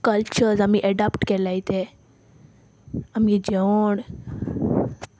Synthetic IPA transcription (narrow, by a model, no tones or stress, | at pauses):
kəlt͡ɕəɾzamiʔeɖapʈkelait̪e | amid͡ʑeʋoɳ